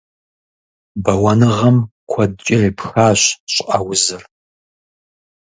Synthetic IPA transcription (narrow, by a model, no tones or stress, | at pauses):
bɐwɐnɨʁɐmkʷʰɐdt͡ʃʼɪreːpxaːɕɕʼʔɐwʊzɨr